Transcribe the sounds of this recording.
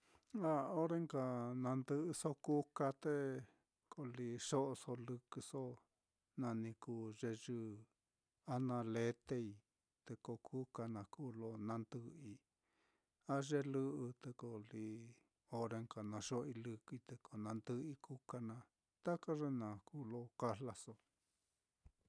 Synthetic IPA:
a˦o˦ɾe˦ŋka˧nã˧nd̪ɨ˧so˦ku˦ka˧t̪e˦ | ko˧li˧ʂo˦ʔo˧so˧lɨ˧kɨ˧so˦ | nã˧nĩ˧kuː˧˨ʐe˧ʒɨ˧ | a˦nã˧le˧t̪e˧i˧ | t̪e˧ko˧kʰu˦ka˧nã˨kuː˦˨lo˦nã˧nd̪ɨ˦i˧ | a˦ʐe˦lɨ˦ʔɨ˧t̪e˧ko˨li˧ | o˧ɾe˧ŋka˨nã˧ʂo˦˧i˧lɨ˧kt̪e˧kʰo˨nã˧nd̪ɨ˧˦i˧ku˦ka˧nã˧ | t̪a˦ka˦ʐe˦nã˨kuː˦˨lo˦ka˦la˧so˧

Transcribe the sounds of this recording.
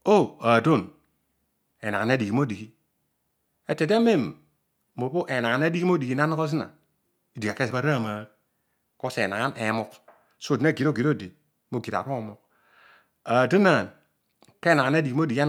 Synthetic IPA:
o˦a˨do˦˨n | e˨na˨ŋa˨˦a˦di˨ki˨˦mo˦di˨ki˦ | e˨te˨de˦me˦m | mo˨bo˦ʔe˨na˨a˨na˦di˦ki˦mo˦di˨ki˦na˦n˦ko˦z̬i˦na̰˨ | i˦di˨ka˨ke˦sba˦ɾa˦˨ma˨˦ | ko˦sḛ˨na̰˨ŋa˦ne˨˦mo˦k | so˦˨di˨na˦˨ɡi˨ɾo˦˨ɡi˨ɾo˦˨di˨ | mo˦ɡi˨ɾa̰˨ɾo˦˨mo˨k | a˨di˦na˨n | ke˦na˨ŋa˨na˦di˨ki˨˦m˦o˦di˨ki˦a˦

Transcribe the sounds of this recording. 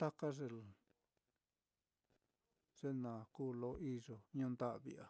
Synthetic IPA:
t̪a˦ka˦ʐe˧ | ʐ̥e˦nã˨kuː˦˨lo˧˦ʔi˦ʐo˧ɲũː˦˧nd̪a˦ʔβḭ˧ʔa˨

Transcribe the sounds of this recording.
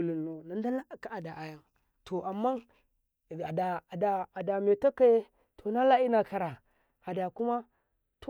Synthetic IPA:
li˨o˨na˨nda˦la˦˨ka˦a˨da˨ʔa˨ja˦ŋ | tʰo˨ʔa˨mːa˦˨ | da˨da˨a˨da˨me˨ta˦ka˦e˦ | tʰo˨na˦la˦i˦na˨ka˨ɾa˨ | a˨da˨ku˦ma˦ | to˦

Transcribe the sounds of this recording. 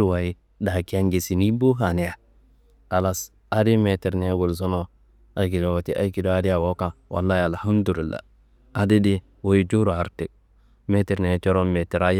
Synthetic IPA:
wa˨ji˦ | da˨ki˦a˦ŋɡe˨si˨ni˦bo˦ɦa˨ni˦ja˨ | a˨la˦s | a˦di˦me˨ti˨ɾne˦ɡu˨lzo˦no˦ | a˨jk̬i˨do˨wo˨ti˦ʔa˦jki˨do˦a˦di˦ja˨wo˦ka˨wʔa̰˨lːa˦ja˨lha˦mdu˨li˨lːa̰˨ | a˦di˦di˦ | wo˦ji˦d͡ʒu˦ɾu˨a˨ɾte˨k̚ | me˦ti˨ɾne˨t͡ʃo˦ɾo˦me˨ti˨ɾa˦j

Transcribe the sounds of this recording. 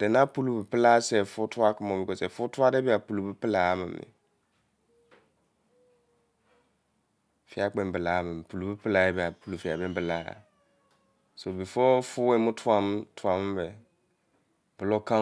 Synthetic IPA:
d̥ɛ˨nã˦pu˦lu˨bɨ˨pɨ˦la˦sɛ˨fʊ˦tʰʊ˦a˦kɪ˨mɔ̃˨mi˦kɔ˨sɛ˨fʊ˦tʊ˦a˦dɛ˦bi˦a˨pu˨lu˨bɨ˦pɨ˦la˨˦mɪ̰̃˨mːɪ̰˨ | fi˦a˨k͡pɛ̃˨m˦bɨ˨la˨˦mɪ̃˨m˨pu˨lu˨bɨ˦pɨ˦la˨˦ɛ˦bi˨a˨pu˨lu˨fi˨a˨bɛ˦bɨ˨la˦a̰˨ | so˨bi˨fɔ˦fʊ˦ɛ˦mʊ̃˦tʰʊ˦ã˨m˦tʰʊ˨a˨m˦bɛ˨ | b̥ɨ˨lɔ˦kã˦

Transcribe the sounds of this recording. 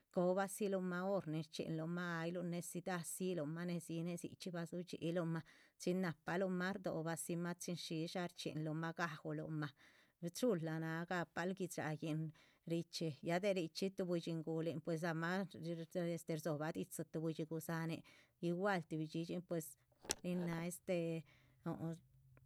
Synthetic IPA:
ko˧ba˦si˦lo˧ma˧o˦ɾni˧ɾt͡ʃḭ˨nlo˧ma˦a˧jlo˧ne˧si˧d̪a˧si˦lo˧ma˦ne˧si˧˦ne˧sḭ˧t͡ʃi˦ba˧su˦t͡ʃḭ˧˨ʔlo˧ma˧t͡si˦nːa˧pa˧lo˧ma˦ɾd̪o̰˨ba˧si˧ma˦t͡ʃi˦nʃi˧ʃa˧ɾt͡ʃḭ˨nlo˧ma˦ɡa˧xo˧lo̰˧ma˧ | t͡ʃu˦lːa˨na˧ɡa˧pa˧˦lɡi˧t͡sɾa̰˨˧je˧n | ɾi˧t͡ʃi˧ja˧d̪e˧ɾi˧t͡ʃi˦t̪u˧bu˧t͡ʃi˧ŋɡu˧le˧npwe˧s̬a˧ma˦˧ | e˧st̪e˧ɾzo˨ba˧d̪i˧t͡sa˧t̪u˧bu˧t͡ʃi˧ɡu˧sa˧ne˧ | i˧wa˦lt̪i˧bi˧t͡ʃi˧˦t͡ʃi˦npwe˧s | ɾi˧na˧e˦st̪e˧ | o˨

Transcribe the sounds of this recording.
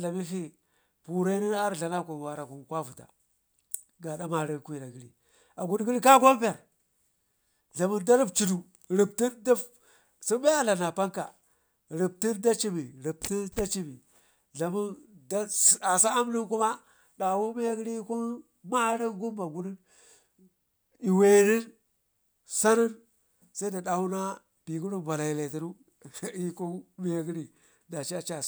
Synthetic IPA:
ɮa˨mi˦fi˦ | pu˨ɾa˦ni˦a˦ɾɮa˨na˦ku˨wa˨ɾa˨ku˨kwa˦vu˨ta̰˨ | ɡa˨da˦ma˨ɾi˦˨kʷi˨ɾa˨ɡi˦ɾḭ˨ | a˨ɡu˨dɡi˦li˦ka˦kʷa˦m˦pe˨ɾ | ɮa˨mu˦nda˦ɾi˦bt͡ʃi˨du˨ | ɾi˨b̚ti˦nda˦ | si˦ba˦ja˦la˨na˨pa˦ŋka̰˨ | ɾi˨b̚ti˦nda˦t͡ʃi˦mi˨ɾi˨b̚ti˦nda˦t͡ʃi˦bi˨ | ɮa˨mu˦nda˦˨a˨sa˦a˦m˦lu˦nku˦ma˦ | da˨wu˦me˦ja˦ɡi˦ɾi˦ku˦ | ma˦ɾi˦ɡu˦mba˨ɡu˦ni˦n | i˨we˨ni˦n | sa˦ni˦n | sa˦i˦da˨ɗa˨wu˦na˦ | b̥i˨ɡu˦ɾu˦˨va˨la˨ji˨le˨ti˨˦nu˦ | i˦ko˦me˦ja˦ɡi˦ɾi˨ | da˨t͡ʃi˦a˨t͡ʃa˨

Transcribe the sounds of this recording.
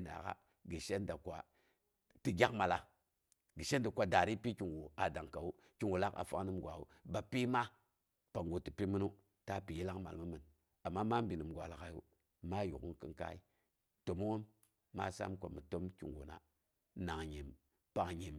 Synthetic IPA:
na̰˨ka̰˦ | ɡi˨ʃe˦nda˨kʷa̰˨ | ti˨ɡʲa˦kma˨la˨ | ɡə˨ʃe˦nda˨kʷa˨da˨ɾi˦pi˦ki˨ŋwo˨a˨da˨ŋka˨wu˦ | ki˨ŋwo˨la˦ka̰˨fa˦ŋnɨ˦mɡʷa˨ṵ˨ba˨pi˦ma˦ | pa˨ŋɡo˨ti˨pi˦mi˦nu˦ | ta˦pi˨ji˦la˦kma˨lmɨ˦mɨ˨n | a˨mːa˦ma˦m˦bi˨nɨ˨mɡʷa̰˨la˨ka˨jṵ˦ | ma˦jṵ˨ku˦nkɨ̰˦ŋka̰˦i˦ | to˨mu˦ŋo˦mː | a̰˦sa̰˦mkʷa̰˨mə˨to˦mkḭ˨ŋwo̰˨na̰˨ | na˨ŋɲe˨m | pa˨ŋɲe˨m

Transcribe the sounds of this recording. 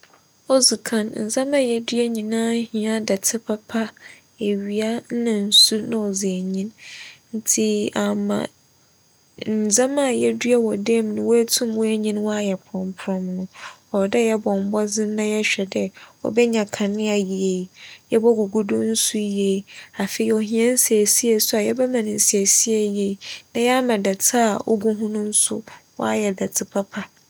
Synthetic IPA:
ɔ˦zu˨kʰã˨nn̩˨d͡zã˦mã˦˨jɛ˦dɥɛ˦ɲĩ˨nãː˦hĩ˨a˦da˨tʰɪ˦pʰa˦pʰa˦ | e˨ɥi˨a˦nã˨n̩˨su˦nã˨ɔ˨ze˨ɲĩ˦nn̩˦tʰi˦a˨mã̰˨ | n̩˨zã˦ma˦˨jɛ˦du˦a˦wɔ˨de˦m˨nʊ̃˨wo˦tʰũ˦mwɔ˦e˦ɲĩ˦nwɔ˦a˦jɛ˨pʰɔ̃˨mpʰɾɔ̃˦mnʊ̃˨ɔ˨dɛ˦jɛ˦bɔ̃˨m̩˨˦bɔ˦d͡zɪ̃˦nã˦jɛ˦ɕᶣɛ˨dɛ˦ɔ̰˦bɛ˦ɲã˨kʰã˨nɪ̃˦a˨ji˨e˨jɛ˦bɔ˦ɡu˨ɡu˦dʊ˦n̩˦su˦e˨˦a˨fe˨i˦ɔ˨ɦĩ˦ɛ̃˦n̩˦se˨e˨si˦e˦˨sʊ˦a˨jɛ˦bɛ˦mã˨nɪ̃˨n̩˨si˨e˨si˦e˨je˨nã˨ja˦mã˨da˨tʰɪ˦a˨ʔɔ̰˦ɡu˦ɦʊ̃˦nʊ̃˦n̩˦sʊ̰˦wɔ̰˦a˦jɛ˨da˨tʰɪ˨pʰa˦pʰa˨

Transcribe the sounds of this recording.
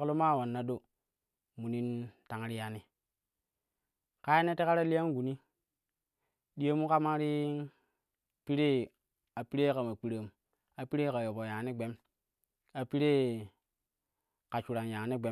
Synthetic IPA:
klo˦ma˦˨wa˨nːa˦do˦ | mu˨ni˦nta˨˦ŋɾi˦ja˨ni˦ | ka˦je˦ne˦te˦ka˦ɾa˦li˦ja˦ŋ˦ɡu˨ni˦ | ɗi˦je˦mu˦ka˦ma˦ɾi˦ | pi˦ɾe˦ | a˨pi˦ɾe˦ka˨ma˨k͡pi˨ɾa˨m | a˨pi˦ɾe˦ka˨jo˨bo˨ja˨˦ni˦ɡ͡be˦m | a˨pi˦ɾe˦ | ka˨t͡ʃu˨ɾa˨nja˨ŋ˨ni˦ɡ͡be˨˦

